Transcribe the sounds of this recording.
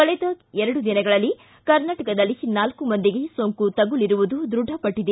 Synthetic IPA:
kɐɭɛd̪ɐɛɾɐɽud̪inɐɡɐɭɐlːi | kɐɾnaːʈɐkɐd̪ɐlːinaːlkumɐnd̪iɡe̞soŋkut̪ɐɡuliɾuʋud̪ud̪ɾuɖʱɐpɐʈːid̪e

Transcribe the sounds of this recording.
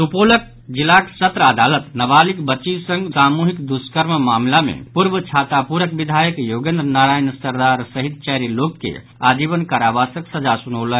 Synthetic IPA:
t̪upolək̚ | d͡ʒilaksət̪ɾəəd̪alət̪nəbalikbətːʃisə̃ŋɡsamuɦikd̪uskəɾmmamlamḛpuɾbət͡ʃʰat̪apuɾəkbid̪ʱajəkjoɡẽnd̪ɾənaɾajnsəɾd̪aɾsəɦit̪̚t͡ʃɛɾilokːḛ | ad͡ʒibənkaɾabasə̃ksəd͡ʒasunəwlən

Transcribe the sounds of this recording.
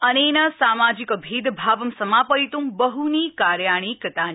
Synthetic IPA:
ənenasaːmad͡ʒikəbʱiːd̪bʱaʋəmsəmaːpəit̪umbəɦunikaɾjaɽ̃ikɾət̪an

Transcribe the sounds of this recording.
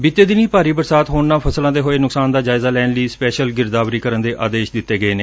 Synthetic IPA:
bɪt̪ːeːd̪ɪniːpaːɾiːbəɾsaːt̪ɦoːɳnaːpʰəslãːd̪eːɦoːeːnʊksaːnd̪aːd͡ʒaːɪzaːlɛːnləiːspɛːʃəlɡɪɾd̪aːʋɾiːkəɾənd̪eːʔa̰ːd̪eːʃd̪ɪt̪ːeːɡəeːneː

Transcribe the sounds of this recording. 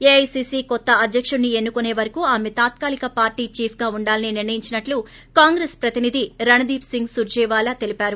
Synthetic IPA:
eɐjsisiːkɔt̪ːɐɐd̪ʱjɐkʂunnie̞nːukune̞ːʋɐɾɐkuːaːmet̪aːt̪̚kaːlikɐpaːɾʈiːt͡ʃiːpʰɡaːuɳɖaːlɐniniɾnɐjiɲt͡ʃinɐʈlu | kaːŋɡɾeːspɾɐt̪inid̪iɾɐnɐd̪iːpsiŋɡsuɾd͡ʒɛːʋaːlɐt̪elipaːɾu

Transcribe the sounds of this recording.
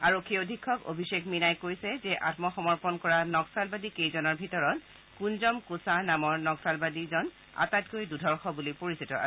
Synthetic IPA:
aɹokʰːiodʱikʰːɔko̰bʱisekminajkojsɛzɛʔatmɔxɔmɔɹpɔnkɔɹanɔksalbadikejzɔnɔɹbʱitɔɹɔt | kunzɔmkusanamɔɹnɔksalbadizɔn | a̰tat̚kojdudʱɔɹxɔbulipoɹisitɔa

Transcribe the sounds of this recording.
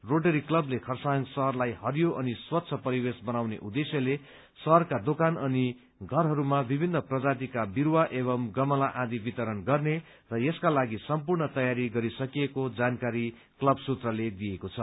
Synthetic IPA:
roɖʌɾiklʌblekʰʌrsaŋɡsʌɦʌrlajhʌrjoʔʌniswʌt̪ːsʰʌpʌɾiwesbʌnawnḛʔud̪esjʌle | sʌɦʌrkad̪okanʌni | ɡʱʌrɦʌɾumabibʱinːʌprʌd͡zat̪ikabiɾwaʔeβʌmɡʌmʌlaʔãd̪ibit̪ʌɾʌnɡʌrne | rʌjeskalaɡisʌmpurnʌt̪ʌjaɾiɡʌɾisʌkijekod͡zankaɾi | klʌbsut̪rʌled̪ijekot͡sʰʌ

